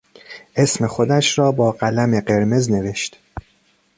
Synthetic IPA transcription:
ʔe̞sme̞xod̪æʃɾɒːbɒːɢælæme̞ɢe̞ɾmezne̞ve̞ʃt̪

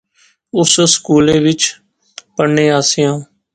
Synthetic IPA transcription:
ʊsskuːleːʋɪt͡ʃ | pəɳːẽːaːsɪjãː

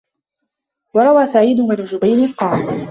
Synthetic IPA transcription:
wɑɾˤɑwaːsaʕiːd̪ʊmanʊd͡ʒʊbajlɪnqɑːl

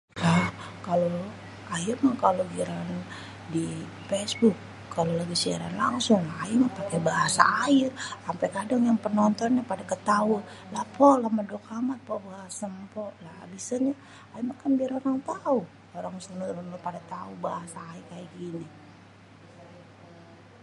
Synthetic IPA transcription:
la | kalo | ajirmakaloɡiɾan | di | fɛsbʊkː | alolaɡisia̰ɾa̰nlaŋsʊŋlahaimapakɛbaɦasa̰ːɪrsampɛkadaŋjaŋpənɔnt̪ɔnɲapadakət̪aʊlahpɔlahmədokamat̪̚pɔbaɦasamapɔlaa̰bisaɲa | aimakanbiɾoɾaŋt̪au | oɾaŋsənuɾanlopadat̪aubaɦasaːirkajakini

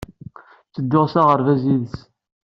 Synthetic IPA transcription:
t͡sːəd̪ːoʁsaʁəɾvæziðəs

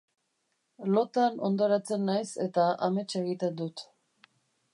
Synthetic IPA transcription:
lo̞t̪ano̞̰nd̪oɾat͡se̞nːajse̞t̪aʔame̞t͡se̞ɣit̪e̞nd̪ut̪

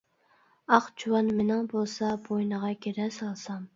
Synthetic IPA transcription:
ɑχt͡ʃʰuwɑnmenɪŋbolˠsɑbojnəʁɑɡʲeɾɛsɑlˠsɑm

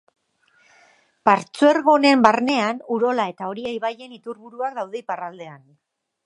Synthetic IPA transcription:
paɾt͡sueɾɣo̞ne̞mbarne̞anuɾo̞lae̞t̪ao̞ɾiejβaje̞nit̪uɾβuɾuak̚d̪awðeiparald̪e̞an

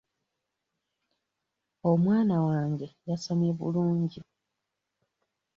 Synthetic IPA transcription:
o̞mwaːnawaːŋɡe̞jasomeβṵluːɲɟi

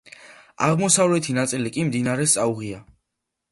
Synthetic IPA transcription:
a̰ʁmɔsavlɛt̪ʰinat̪sʼilikʼimd̪inaɾɛst̪sʼauʁia

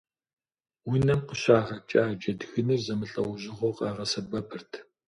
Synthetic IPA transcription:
wʊnɐmqəɕaːʁɐt͡ʃʼaːd͡ʒɐdxɨnɨrzɐmɨɬʼɐwʑɪʁʷowqʼɑːʁɐsɐbɐpʰɨrtʰ

